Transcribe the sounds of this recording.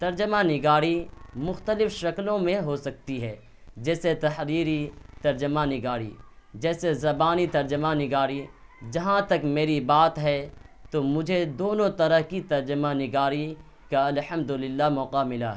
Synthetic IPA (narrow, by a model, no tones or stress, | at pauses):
t̪ɐɾd͡ʒəmanɪɡaːɽimʊxt̪əlɪfʃɐklõmẽɦosɐk̚t̪iɦɛː | d͡ʒɛːset̪ɐħɾiːɾit̪ɐɾd͡ʒəmanɪɡaːɽḭd͡ʒɛːsezɐbaːnit̪ɐɾd͡ʒəmanɪɡaːɽi | d͡ʒɐɦãt̪ɐkmeːɾibaːt̪ɦɛ | t̪omʊd͡ʒʱed̪oːnõt̪ɐɾəɦkit̪ɐɾd͡ʒəmanɪɡaːɾi | kaɐlhɐmd̪ʊlɪlːaɦmɔːqamɪlaɦɛ